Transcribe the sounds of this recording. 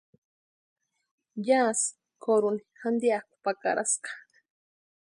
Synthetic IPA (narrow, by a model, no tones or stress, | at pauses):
jas | kʰoɾunixand̪iaku̥paka̰ɾʔa̰sqḁ